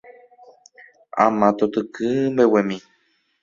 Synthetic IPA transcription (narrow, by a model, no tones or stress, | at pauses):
ã̰mãt̪ot̪ɨkɨmbewemĩ